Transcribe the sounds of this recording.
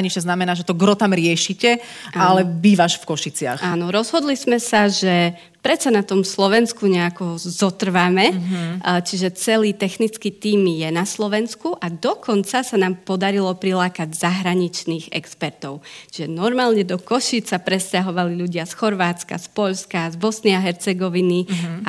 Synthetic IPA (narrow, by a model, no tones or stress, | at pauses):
ɲiʃɲɛznamɛnaːʒɛt̪ɔɡɾɔt̪amɾɪɛʃicɛʔalɛbiːʋaʃfkɔʃit͡sɪa̰xʔaːnɔɾɔzɦɔd̪lizmɛsaʒɛ | pɾɛt͡sanat̪ɔmslɔʋɛnskuɲɛakɔzɔt̪r̩ʋamɛ | t͡ʃiʒɛt͡sɛliːt̪ɛxnit͡skit̪iːmjɛnaslɔʋɛnskuʔad̪ɔkʰɔnt͡sasanaːmpɔd̪aɾilɔpɾilaːkaɟzaɦɾaɲit͡ʃniːɣɛ̰kspɛɾt̪ɔʊt͡ʃiʒɛnɔɾmaːlɲɛd̪ɔkɔʃit͡sapɾɛscaɦɔʋaliʎuɟɪasxɔɾʋaːt͡ska̰spɔʎskazbɔsniaɦɛɾt͡sɛɡɔʋini